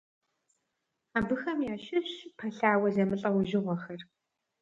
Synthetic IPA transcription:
aːbɨxɐmjaːʃɪɕpʰɐɬaːwɐzɐmɨɬʼɐwʊʒɪʁʷɔxɐr

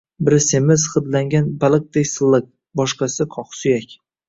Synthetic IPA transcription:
bɪɾsemɪzχɨd̪laŋɡʲanbalˠɨk̚d̪ekʲsɨlˠːɪk̚ | bɒʃqɑsɪkʰɒχsʊjakʲ

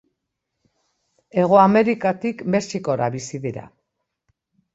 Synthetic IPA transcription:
e̞ɣ̞oame̞ɾikat̪ikme̞siko̞ɾaβisiðiɾa̰

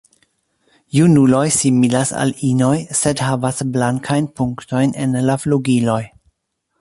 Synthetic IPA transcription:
junulo̞jsimilasa̰lino̞jse̞dhavasblaŋkʰajnpuŋkto̞jnenlafluɡilo̞j

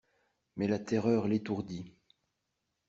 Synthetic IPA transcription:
mɛlat̪ɛʁœʁlet̪uʁd̪i

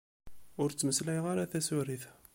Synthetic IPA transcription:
ʊɾt͡sːməsljʁaɾaθæsuɾiθ

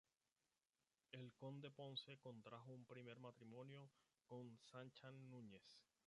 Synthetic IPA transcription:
e̞lkond̪e̞po̞nse̞ko̞nt̪ɾaxoumpɾime̞ɾmat̪ɾimõ̞njo̞ | ko̞nsant͡ʃaːũɲe̞s

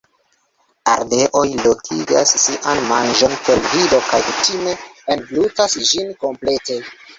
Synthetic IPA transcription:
a̰ɾde̞ʔo̞jlo̞kʰiɡasːiʔanmand͡ʒo̞npo̞lvido̞kajkutime̞ːnblutasd͡ʒinko̞mple̞te̞

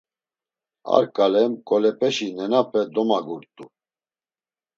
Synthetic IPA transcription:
a̰ɾkʼalɛmkʼɔlɛpʰʼɛʃinɛnapʰʼɛd̪ɔmaɡuɾt̪ʼu

